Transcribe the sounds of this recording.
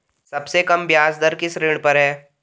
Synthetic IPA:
sɐbsekɐmbjaːsd̪əɾkɪsɾeːɽpɐɾɦɛː

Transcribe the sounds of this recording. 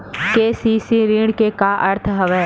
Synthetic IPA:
keːsiːsiɾĩːɽkekaʔɐɾt̪ʰɦəʋeː

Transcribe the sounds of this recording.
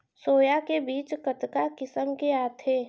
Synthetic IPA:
soːjakebiːt͡ʃkət̪kakɪsəmkeaːt̪ʰeː

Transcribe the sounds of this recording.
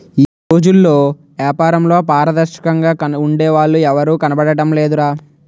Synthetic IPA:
iːɾoːd͡ʒulːo̞ː | ʋjaːpaːɾɐmlo̞ːpaːɾɐd̪ɐʃɐ̥kɐŋɡaːkɐuɳɖeːʋaːɭːuɛʋɐɾuːkɐnɐbɐɽɐʈɐmleːd̪uɾaː

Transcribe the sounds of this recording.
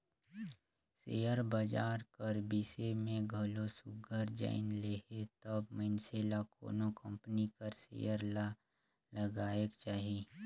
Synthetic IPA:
sḛːjəɾbəd͡ʒaːɾkəɾbiːsemẽɡʱəlosʊɡʱəɾd͡ʒa̰ːɪnleɦet̪əbmənseːlako̰ːnokə̃mpnikəɾsḛːjəɾla | ləɡaːekt͡ʃaːɦi

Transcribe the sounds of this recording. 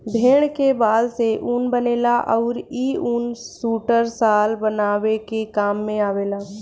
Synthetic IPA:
bʱeːɽ̃kebaːlseʔunbəneːlaʔɔːɾiːunsuːʈəɾsaːlbənaːʋekekaːmːẽaːʋeːlaː

